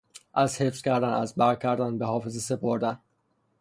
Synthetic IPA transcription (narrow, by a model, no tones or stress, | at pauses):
ʔæzhefscʰæɾd̪ænæ̰zbæɾcʰæɾd̪ænbehɒːfe̞zese̞pʰoɾd̪æn